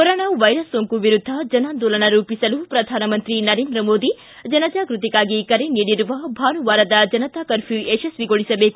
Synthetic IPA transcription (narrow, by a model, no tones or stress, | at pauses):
koɾoːnaːʋɐjɾɐsːoːŋkuʋiɾud̪ʱːɐd͡ʒɐnaːnd̪oːlɐnɐɾuːpisɐlupɾɐd̪ʱaːnɐmɐnt̪ɾinɐɾeːnd̪ɾɐmoːd̪i | d͡ʒɐnɐd͡ʒaːkɾut̪ikaːɡikɐɾeniːɽiɾuʋɐbʱaːnuʋaːɾɐd̪ɐd͡ʒɐnɐt̪aːkɐɾpʰjueːʃɐsʋiɡoɭisɐbeːku